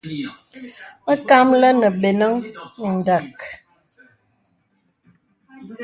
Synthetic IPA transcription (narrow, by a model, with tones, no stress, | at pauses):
ŋ̩˦ka˦mlə˦nə˨ɓe˨nə˦ŋə˨n̩˨də˨k